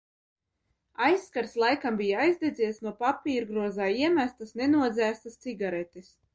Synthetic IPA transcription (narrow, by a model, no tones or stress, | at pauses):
ajsːkaɾslˠajkambʲijaajzd̪ed̪zʲiːjsnuɔpapʲiːɾɡɾuɔzaːiɛmæst̪asnenuɔd̪zʲæːst̪ast̪siɡaɾɛt̪is